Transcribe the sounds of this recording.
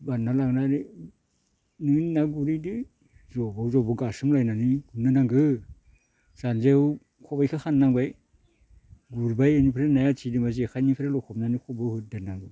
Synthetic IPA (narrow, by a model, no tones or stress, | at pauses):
banalaŋnaɾi | nɯŋninaɡuɾidi | zɔbawzɔbɯɡasɯmlajnaniɡunanaŋɡɯ | z̥anzew | kʰɔbajkʰɯxʰanːaŋbaj | ɡuɾbajanipʰɾenajatʰidimaziakʰajnipʰɾelɔkʰɔpnanikʰɔbɯhɯt̚danaŋɡɯ